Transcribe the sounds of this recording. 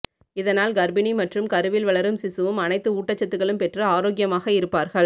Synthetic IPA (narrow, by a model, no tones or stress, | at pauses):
ɪðɐnaːlɡɐɾbɪnimɐʈrɯmkɐɾɯʋɪlʋɐɭɐɾɯmsɪsɯʋɯmɐnɐɪt̪ːɯuːʈːɐt͡ʃːɐt̪ːɯɣɐɭɯmpɛʈrɯaːɾoːɡɪjɐmaːɣɐɪɾɯpːaːɾɣɐɭ